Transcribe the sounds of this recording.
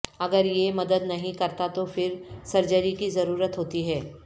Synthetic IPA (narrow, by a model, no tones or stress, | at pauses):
ɐɡəɾjemɐd̪əd̪nɐɦĩkɐɾt̪at̪ofɪɾsɐɾd͡ʒəɾikizɐɾuːɾət̪ɦoːt̪iɦɛː